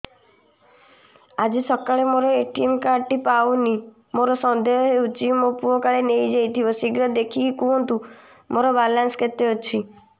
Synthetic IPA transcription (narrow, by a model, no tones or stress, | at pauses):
ad͡ʒisɔkaɭemoɾɔeʈiemkaʈipawni | moɾɔsɔnd̪eɦɔɦeut͡ʃimopuɔkaɭenejd͡ʒejt̪ʰibɔsiɡɾɔd̪ekʰiːkuɔnt̪u | moɾɔbalansɔ̥ket̪ːeot͡ʃʰi